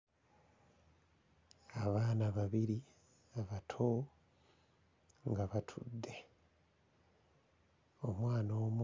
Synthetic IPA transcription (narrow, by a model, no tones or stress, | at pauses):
aβaːnaβaβiɾi | aβatʰo | ŋɡaβatʰṵdːe̞ | o̞mwaːnoːm